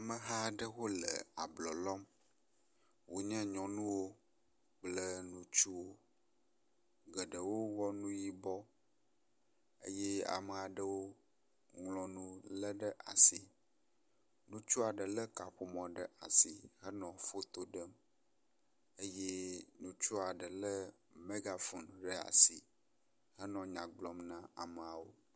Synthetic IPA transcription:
a˨mə˨ɦa˦ɖə˦wo˦lə̰˨a̰˨blɔ˨lɔ˦m | wo˨ɲɛ̃˦ɲɔ̃˨nũ˦wo˦ | k͡plə˦nũ˦t͡ʃu˦wo˦ | ɡə˨ɖə˨wo˦wɔ˦nũ˦ji˨bɔ˦ | ḛ˦jɛ˦a̰˨mə˨a˨ɖə˦wo˦ | ŋlɔ̃˨nũ˦lə˦ɖə˦ʔa̰˨si˨ | nũ˦t͡ʃu˦a˨ɖə˨lə˦ka˨ɸo˦mɔ̃˨ɖə˨ʔa˨si˨ɦə˦nɔ̃˨fo˦t̪o˦ɖə˦m | e˦je˦nũ˦t͡ʃu˦a˨ɖə˨lə˦ | me˦ɡa˨fu˨nɖə˨a̰˨si˨ | ɦə˦nɔ̃˨ɲã˨ɡ͡blɔ˦mnã˦a˨mə˨a˨wo˦

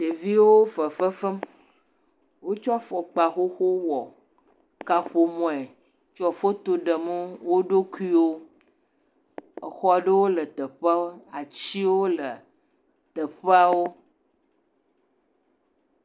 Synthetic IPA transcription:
ɖe˨vi˦wo˦fə˨fə˦fə˦m | wo˦t͡ʃɔ˦a˦fɔ˨k͡pa˨xo˦xo˦wɔ˨ | ka˨xo˨mɔ̃˨ɛ˨ | t͡ʃɔ˦˨fo˦t̪o˦ɖə˨mə˦wo˦ɖo˦ku˦i˦wo˦ | ə̰˨xɔ˦ɖə˦wo˦lə˨t̪ə˨ɸa˦o˦a˨t͡ɕi˦wo˦lə˨ | t̪ə˨ɸa˦wo˦

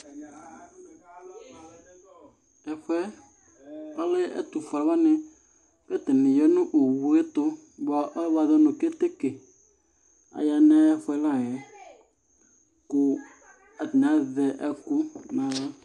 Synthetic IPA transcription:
ɛ˨ɸɛ˦ | a˦le˦ɛ̰˦t̪u˨fa˨˦wa˦nɪ˨ | kɛ˦t̪ɪ˨nɪ˨jɔ˦nʊ̃˦ʔo˨wu˨e˦t̪ʊ˦ | ba˨˦ʔba˨ðɔ˦nʊ̃˨ke˦t̪e˦ke˨ | a̰˨ja˨ne˦a˦ja˦fʊ˦ɛ˦lã˦˨jɛ˨ | kʊ˨ | a˨ti˨n˨a˨˦ðɛ˨ʔɛ˦kʊ˦nã˨le˦

